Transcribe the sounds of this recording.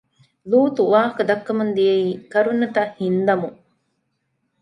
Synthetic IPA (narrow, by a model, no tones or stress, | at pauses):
luːt̪uʋaːɦɐkɐd̪ɐkːɐmund̪ijeiːkɐɾunːɐt̪ɐhind̪ɐmu